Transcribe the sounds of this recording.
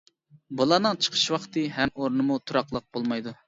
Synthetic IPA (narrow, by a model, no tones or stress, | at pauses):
bulˠɑːnɨŋt͡ʃʰə̥qʰə̥ʃwɑχt̪ɨɦɛmoɾnɨmut̪ʰuɾɑqlˠəq̚b̥olˠmɑjd̪u